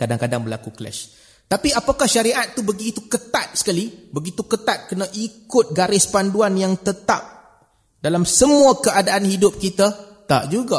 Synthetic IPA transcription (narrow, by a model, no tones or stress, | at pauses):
kadaŋkadaŋbəlakuklɛ̰ʃ | t̪apiapakahʃaɾiʔat̪ːubəɡiːt̪ukət̪at̪̚sə̥kalibəɡit̪ukət̪at̪̚kənãʔikʊt̪̚ɡaɾɪspanduanjaŋt̪ət̪ap̚ | dalamsəmũakəadaʔanhidʊp̚kit̪at̪a̰ʔ̚d͡ʒuɡa